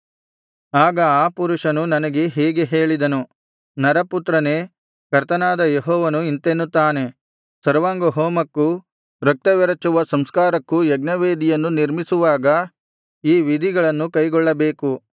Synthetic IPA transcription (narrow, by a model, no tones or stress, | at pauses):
aːɡɐaːpuɾuʂɐnunɐnɐɡe̞ɦɛːɡe̞ɦeːɭid̪ɐnu | nɐɾɐput̪ɾɐne̞ː | kɐɾt̪ɐnaːd̪ɐjeɦɔːʋɐnuint̪enːut̪ːaːne̞ | sɐɾʋaːŋɡoɦoːmɐkːu | ɾɐk̚t̪ɐʋɛɾɐt͡ʃuʋɐsɐmskaːɾɐkːujɛɡnɐʋeːd̪ijɐnːuniɾmisuʋaːɡɐ | iːʋid̪ʱiɡɐɭɐnːukɐjɡɔɭːɐbe̞ːku